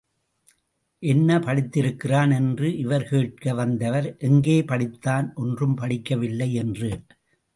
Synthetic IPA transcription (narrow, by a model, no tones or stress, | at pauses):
ʔɛnːɐpɐɽɪt̪ːɪɾɯkːɪraːnɛndrɯʔɪʋɐɾkeːʈ̚kɐʋɐnd̪ɐʋɐɾʔɛŋɡeːpɐɽɪt̪ːaːnʔɔndrɯmpɐɽɪkːɐʋɪlːɐɪɛndrɯ